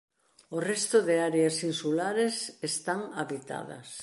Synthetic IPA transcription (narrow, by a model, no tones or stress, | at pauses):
ʊrɛst̪ʊðɪaɾeasinsulaɾesest̪aŋaβit̪a̰ðɐ̰s